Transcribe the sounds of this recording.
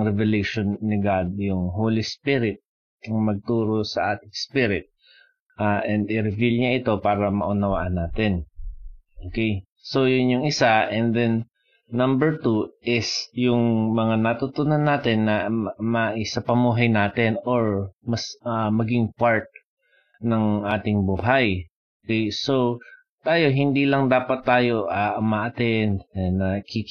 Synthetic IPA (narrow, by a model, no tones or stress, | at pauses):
ŋɾɛvɛlejʃonːɪɡad̪̚jʊŋɦowlispiɾɪt̪̚ | ɐŋmɐɡ̚t̪uːɾo̞sɐʔaːt̪ɪŋspiɾɪt̪̚ | ʔaʔɛnd̪ɪɾɪvilɲaʔɪt̪o̞paːɾɐmɐ̰ʔʊnɐwa̰ːʔɐnːaːt̪ɛn | ʔoːkej | so̞jʊnjʊŋɪsaʔɛnd̪ɛnː | ɐmbɛɹt̪uʔɪsjʊŋmɐŋanɐt̪ut̪ʊnɐnːaːt̪ɛnːɐmɐʔɪsapɐmuːɦɐjnaːt̪ɛnoɹmɐsɐmɐɡɪŋpaɹt̪̚ | nɐŋʔaːt̪ɪŋbuːɦaj | okɛjso̞ | t̪aːjo̞ɦɪnd̪iːlɐŋd̪aːpɐt̪ːaːjo̞ʔaʔʊmaːʔɐt̪ɛnnɐkik